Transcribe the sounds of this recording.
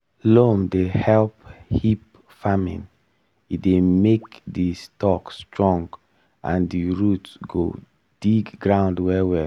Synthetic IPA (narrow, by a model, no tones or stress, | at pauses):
lomdehɛlphip | famḭ̃n | idemekdistɔkstɹɔ̃ŋɡ | ʔã̰ndiɹutsɡo̰ | d̥iɡɡɹãʊ̃ndwɛwɛ